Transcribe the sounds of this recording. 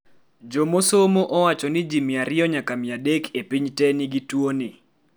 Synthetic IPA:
d͡ʒomosomoʔɔwat͡ʃɔnɪd͡ʒimɪaɾɪɔɲakamɪadekʰepiɲtɛnɪɡitwoni

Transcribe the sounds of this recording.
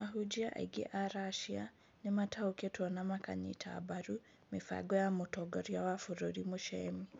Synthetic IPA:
aɦud͡ʒiaʔa̰iɡḛʔaɾaʃia̰ | nematʰauketwɔnamaka̰ɲḭtʰa̰baɾu | mefa̰ɡɔjamotɔɡɔɾjawafuɾoɾimoʃɛmi

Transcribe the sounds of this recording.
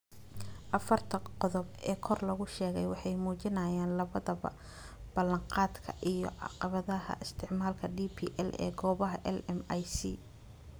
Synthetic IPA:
ʔɐfɐrt̪ʰɐqɔðɔbɛːkʰɔrlɐɣʊʃɛːɣɛjwɑħɑjmuːt͡ʃɪnɐjaːnlɐβɐðɐβɐ̰ | b̥ɐlɐɴqɑːd̪kʰɐʔijɞ̰ʕɑ̰qɑβɐðɐhɐ̰ʔɪst̪ʰɪʕmaːlkʰɐɖiːpʰḭːʔɛ̰lɛ̰ːɡɔːβɐɦɐʔɛlɛmɐjsḭː

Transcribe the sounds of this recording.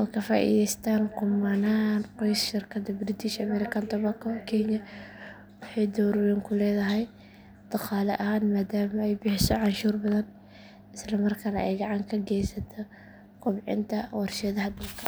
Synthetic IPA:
wɑkʰɐfa̰ːʔḭðɛjst̪ʰaːnqʊmɐnaːnqɔjsʃɪrkʰɐd̪ɐbɾɪt̪ʰɪʃɐmɛɾɪkʰɐnt̪ʰɔβɐkʰɔkʰɛɲɐ | wɑħɑjd̪ɔwɾʊɾɛːŋkʰʊlɛːðɐɦɛj | d̪̥ɑqɑːlɐʔɐɦaːnmaːd̪aːmɐɛjbɪħɪsɔʕɑnʃuːrbɐðɐn | ɪslɐmɐrkʰɐnɐʔɛjɡɑʕɑŋkʰɐɡɛjsɐt̪ʰɔ | kʰʊbʕɪ̰nt̪ʰɐwɑrʃɐðɐɦɐd̪ɐlkʰɐ̥

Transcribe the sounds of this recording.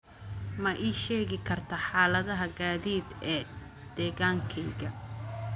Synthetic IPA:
mɐʔiːʃɛːɣɪkʰɐrt̪ʰɐħaːlɐðɐɦɐɡaːðiːd̪ɛːd̪̥ɛːɣaːŋkʰɛjɣɐ

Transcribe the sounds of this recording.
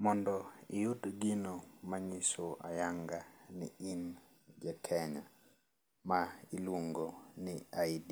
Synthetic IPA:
mɔndɔɪjutɡɪnomaɲisoa̰jaŋɡanɪin | d͡ʒakʰɛɲa | mailwoŋɡoniaidi

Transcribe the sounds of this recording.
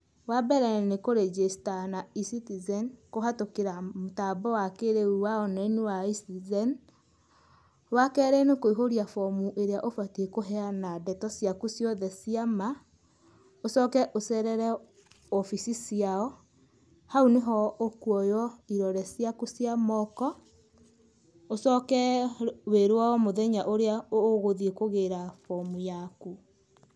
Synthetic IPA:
wabɛɾɛnekoɾed͡ʒestanaisitizɛnkoɦatokeɾamotabɔwakeɾeuwaɔnɛnewaistizɛn | wakɛːɾɛnekoiɦoɾiafɔmuʔeɾeaʔofwatiekoɦɛanadɛtɔsjakusjɔðɛsiama | osɔːkɛʔosɛɾɛɾɛ | ɔfisisiaɔ | hauneɦɔokuɔjɔiɾɔɾɛsjakusjamɔkɔ | osɔkɛweɾwaɔmoðɛɲaʔoɾeaooɣoðiekoɣeɾafɔmujaku

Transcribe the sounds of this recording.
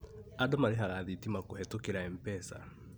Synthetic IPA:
adɔmaɾeɦaɣaðitimakohɛtokeɾaɛmpɛsa̰

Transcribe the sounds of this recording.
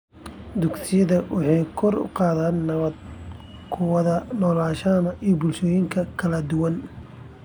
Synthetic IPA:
d̪ʊɡsɪjɐðɐwɑħɑjkʰɔrʊ̰qɑːðaːnːɐβɐd̪ | kʰʊwɐðɐnɔːlaːʃaːmɐʔijɔbʊlʃɔːjɪŋkʰɐkʰɐlɐd̪ʊwɐn

